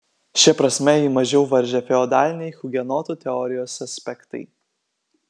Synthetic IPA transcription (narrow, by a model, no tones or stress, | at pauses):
ʃʲɛpɾɐsʲmʲɛiːmɐʒʲɛʊʋɐɾʲʒʲɛfʲɛɔd̪ɑːlʲɪnʲɛɪxʊɡʲɛnɔːt̪uːt̪ʲɛɔɾʲɪjoːsɐsʲpʲɛkt̪ɐɪ